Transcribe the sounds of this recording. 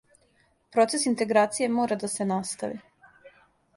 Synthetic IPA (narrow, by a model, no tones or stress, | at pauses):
pɾo̞t̪se̞sint̪e̞ɡɾaːt̪sije̞mo̞ːɾad̪ase̞nast̪aʋḭ